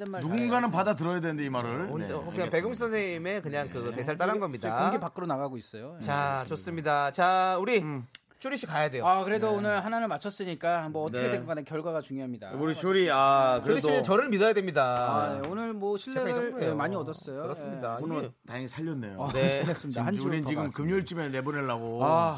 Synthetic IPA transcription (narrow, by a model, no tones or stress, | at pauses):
emaduɡunɡanɯnpadatɯɾʌjadwenɯndeimaɾɯɭonkɯɲape̞ɡɯŋʰs͈ʰʌnsʰeime̞kɯɲaŋkɯte̞sʰaɭt͈aɾanɡʌmɲidaɡepak͈ɯɾonaɣaɡois͈ʌjot͡ɕat͡ɕos͈ɯmɲidat͡ɕauɾi | t͡ɕʰoɾiɕ͈ʰikajade̞joakɯɾe̞doːnɯɭɦananɯnmat͡ɕʰʌs͈ɯɲik͈ambʌʌtʌkʰeekoɡanekjʌɭɡwaɡat͡ɕuŋjoɦamɲida̰uɾit͡ɕʰuɾiakɯoɾiiet͡ɕʌɾɯɭmidajadwemɲidaaneonɯɭmwʌɕʰiɭːeɯɭemaɲiʌdʌs͈ʌjoɾʌsɯmɲidaunɯtajʌŋsʰaʎːʌnːḛjones͈ɯmidahanuɾint͡ɕiɡɯmkɯmɲuɭt͡ɕ͈ʰimene̞buneɭːaɡoa